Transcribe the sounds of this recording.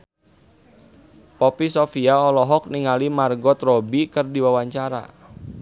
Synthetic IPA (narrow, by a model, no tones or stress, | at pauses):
pɔpisɔfiaɔlɔɦɔk̚niŋalimarɡɔt̪rɔbikərdiwawaɲt͡ʃaɾa̰